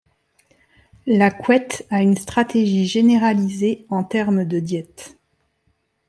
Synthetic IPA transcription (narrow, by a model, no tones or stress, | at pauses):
lakwɛt̪aynst̪χat̪eʒiʒeneʁalizeɑ̃t̪ɛʁmd̪əd̪jɛt̪